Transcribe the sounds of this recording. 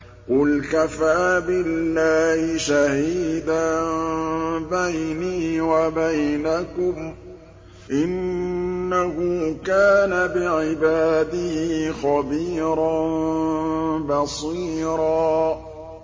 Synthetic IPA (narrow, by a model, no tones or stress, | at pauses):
qʊlkafaːbɪlːaːhɪʃahiːd̪a | bajniːwabajnakʊm | ʔɪnː | ahʊːkaːnabɪʕɪbaːd̪ɪhixɑbiːɾɑn | bɑsˤiːɾɑː